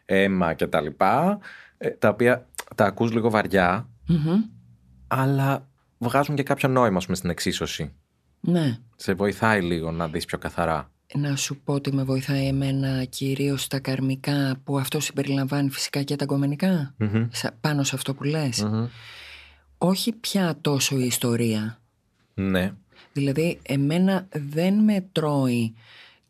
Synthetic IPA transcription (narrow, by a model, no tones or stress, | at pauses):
e̞mɐce̞t̪ɐlipɐet̪ɐopiɐt̪ɐːkuzliɣo̞vɐɾʝɐm̩ɦm̩ | ɐlɐ | vɣɐzuɲce̞kɐpço̞no̞imɐːspumest̪ine̞ksiso̞si | ne̞se̞vo̞iθɐiliɣo̞nɐðispço̞kɐθɐɾɐ | nɐsupo̞ot̪ime̞vo̞iθɐieme̞nɐciɾio̞st̪ɐkɐɾmikɐpuɐft̪o̞simbe̞ɾilɐɱvɐnifi̥si̥kɐcet̪ɐɡo̞menikɐspɐno̞seɐft̪o̞pule̞s | o̞çipçɐt̪o̞so̞iːst̪o̞ɾiɐ | ne̞ | ðilɐðie̞me̞nɐðe̞nme̞t̪ɾo̞i